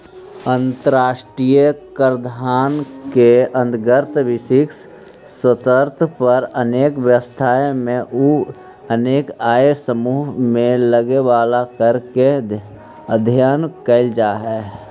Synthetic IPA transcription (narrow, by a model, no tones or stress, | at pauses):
ə̃nt̪əɾaːʃʈɾijəkəɾd̪ʱaːnkeə̃nd̪ɡəɾt̪ʋɪsɪks | sət̪əɾt̪ʰpəɾəneːkʋjəʋəst̪ʰaːẽmẽʔu | əneːkaːesəmuːɦmẽləɡeʋaːlakəɾke | əd̪ʱjaːnkəɪld͡ʒaːɦɛː